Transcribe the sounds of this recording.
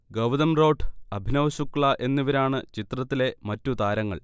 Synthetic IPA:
ɡɐʋd̪ɐmro̞ːɖʰɐbʱinɐʋɐɕukːɭɐʔe̞nːiʋɐɾaːɳɨt͡ɕit̪rɐt̪ːile̞mɐtːut̪aːɾɐŋːɐ̰ɭ

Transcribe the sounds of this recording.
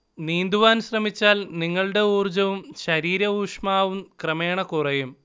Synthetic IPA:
niːnd̪uʋaːnɕrɐmit͡ɕːaːlniŋːɐɭɽe̞uːrd͡ʑɐʋumɕɐɾiːɾɐuːʂmaːʋumkrɐme̞ːɳɐkurɐjum

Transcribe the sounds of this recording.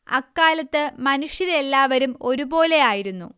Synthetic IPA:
ɐ̰kːaːlɐt̪ːɨmɐnuʂjɐɾe̞lːaːʋɐɾumo̞ɾubo̞ːle̞jaːjiɾunːṵ

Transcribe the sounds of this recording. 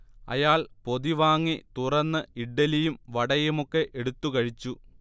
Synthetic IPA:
ɐ̰jaːɭpo̞ðiʋaːŋːit̪urɐnːɨiɖːɐlijumʋɐɽɐjumokːe̞ʔeɽut̪ːukɐɻit͡ɕːu

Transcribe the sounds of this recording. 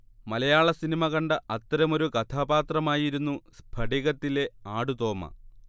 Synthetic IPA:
mɐlɐjaːɭɐsinimɐɣɐɳɖɐɐt̪ːɐɾɐmo̞ɾukɐt̪ʰaːbaːt̪rɐmaːjiɾunːusbʰʱɐɽiɣɐt̪ːile̞aːɽut̪o̞ːmɐ̰

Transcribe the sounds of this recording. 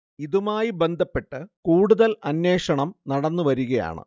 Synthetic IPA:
iðumaːjibe̞nd̪ʱɐpːe̞ʈːɨkuːɽuðɐlɐnːje̞ːʂɐɳɐmnɐɽɐnːɨʋɐɾuɣɐja̰ːɳɨ̰

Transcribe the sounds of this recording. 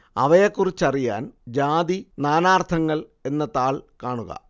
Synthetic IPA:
ɐ̰ʋɐjekːurit͡ɕːɐrija̰ːnd͡ʑaːd̪inaːnaːrt̪ʰɐŋːɐɭe̞nːɐt̪aːɭkaːɳuɣɐ̰

